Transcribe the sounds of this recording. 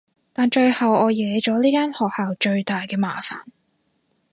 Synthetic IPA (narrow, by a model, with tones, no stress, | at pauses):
t̪aː˨nt͡ʃɵ˧ɥhɐ˨wɔː˨˧jɛː˨˧˥t͡ʃɔː˨˥liː˥kaː˥nhɔː˨k̚haː˨wt͡ʃɵ˧ɥt̪aː˨jkɛː˧maː˨˧faː˨˩n